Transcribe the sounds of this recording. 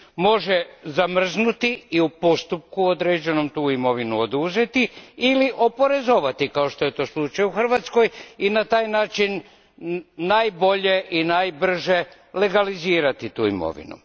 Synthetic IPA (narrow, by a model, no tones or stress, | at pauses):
mo̞ʒezamr̩znut̪iiupo̞st̪up̚kuod̪ɾeːd͡ʑe̞no̞mt̪uːimo̞ʋinuod̪uze̞t̪iiliʔo̞po̞ɾe̞zo̞ʋat̪ikao̞ʃt̪o̞je̞t̪o̞ːslˠut͡ʃajuxr̩ʋat̪sko̞jinat̪aːjnaːt͡ʃinː | ajbo̞ʎe̞ʔinajbr̩ʒe̞ | le̞ɡaliziːɾat̪it̪uːḭmo̞̰ʋḭnṵ